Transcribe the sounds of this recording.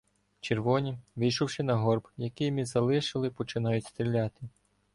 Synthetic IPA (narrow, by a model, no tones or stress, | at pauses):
t͡ʃerʋɔnʲiʋɪjʃʊwʃɪnɐɦɔrbjɐkɪjmʲizɐlˠɪʃɪlˠɪpɔt͡ʃɪnɑjʊtʲst̪ɾʲilʲɑt̪ɪ